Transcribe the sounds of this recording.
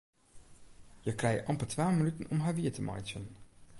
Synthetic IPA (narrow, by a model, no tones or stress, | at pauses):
jəkrɛjə̰ʔɑmpətʋaːmənytənɔmɦaːɹʋiːətəmʔɑ̰jsən